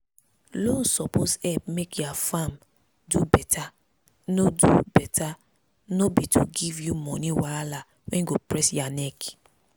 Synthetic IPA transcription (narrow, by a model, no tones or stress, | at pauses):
lon̩sɔpʰozɛp̚mekjafam | dubɛtʰa | nodubɛtʰa | nobitʰuɡivjumɔ̃niwala | wɛ̃nɡopɾɛsjanɛk